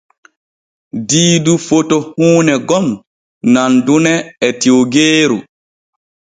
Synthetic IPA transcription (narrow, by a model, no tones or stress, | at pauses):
diːdufotɔhuːnɛɡɔm | nandunɛɛtioɡeːɾu